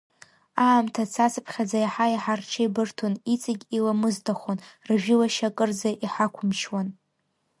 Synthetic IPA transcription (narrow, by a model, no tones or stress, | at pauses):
aːmtʰat͡sʰat͡sʰɨpʰχʲad͡zajaħaiħarʈ͡ʂʰajbɨrtʰonit͡sʰʼaɡʲilamɨztʰaχʷonrʒᶣɪlaʃakʼɨrd͡zaʔiħakʷʰʊmʃwan